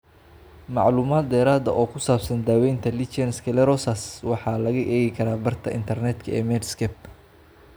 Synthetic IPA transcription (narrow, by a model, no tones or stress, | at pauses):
mɑ̰ʕluːmaːd̪̚ːɛːɾaːd̪ɐ̰ʔɔːkʰʊsaːbsɐnd̪aːwɛjnt̪ʰɐlit͡ʃɛnskʰɛlɛɾɔsɐswɑħɑːlɐɣɐʔɛːɣɪkʰɐɾaːbɐrt̪ʰɐɪ̰nt̪ʰɐrnɛd̪kʰɐɛ̰ːmɛːd̪skʰɛbt